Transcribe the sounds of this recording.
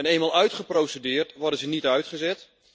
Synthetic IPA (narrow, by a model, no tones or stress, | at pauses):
ɛnejmalˠœɥtχəprowsədɪːrtʋɔrdəzənitœɥtχəzɛt